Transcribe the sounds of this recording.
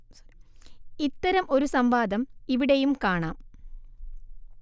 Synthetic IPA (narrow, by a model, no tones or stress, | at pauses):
s | it̪ːɐɾɐmo̞ɾusɐmbaːd̪ɐmiʋiɽejumkaːɳaːm